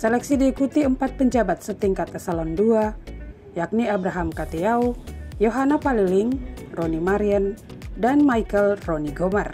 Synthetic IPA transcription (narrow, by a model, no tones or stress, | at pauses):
sɛlɛksidiːkut̪iəmpat̪̚pəɲd͡ʒabat̪̚sət̪iŋkat̪ɛsalɔndua | jak̚niabɾaɦamkat̪iaujoɦanapaliliŋronimaɾiandanmajkəlroniɡɔmar